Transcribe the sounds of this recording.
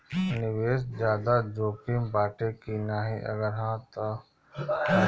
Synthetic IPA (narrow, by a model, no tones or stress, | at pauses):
nɪʋeːsd͡ʒjaːd̪ad͡ʒoːpimbaːʈekinaːɦiʔɐ̰ɡəɾɦãːt̪o